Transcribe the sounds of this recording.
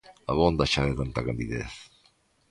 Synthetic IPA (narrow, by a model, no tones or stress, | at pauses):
aβond̪aʃaðet̪ant̪akand̪iðḛθ